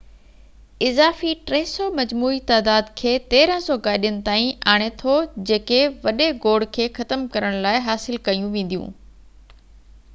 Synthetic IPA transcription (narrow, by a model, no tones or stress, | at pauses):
ɪzaːfiʈɾɐɦsɔːmɐd͡ʑmuːit̪aːd̪aːd̪kʰeːt̪eːɾə̃sɔːɡaːɪɗijʊnɪ̆t̪aːĩaːɽ̃et̪ʰod͡ʑeːkeʋɐɗeɡoːɽkʰeːxɐt̪əmkɐɾəɽ̃laːɪɦaːsɪlkɐjũʋẽːnd̪ijṵ̃ː